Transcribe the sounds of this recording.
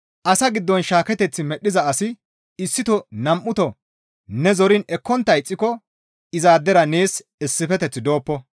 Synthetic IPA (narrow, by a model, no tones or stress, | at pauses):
ʔɐsɐɡɪd̪ːɔnʃaːkɛt̪ɛt͡sːɪmɛɗːɪzɐɐsɪ | ɪsːɪt̪ɔnɐmʔːʊt̪ɔ | nɛzɔɾɪnɛkːɔnt̪ːɐjɪt͡sʼːɪkɔ | ɪzaːd̪ːɛɾɐneːs | ɪsːɪfɛt̪ɛt͡sːɪd̪o̞ːpːɔ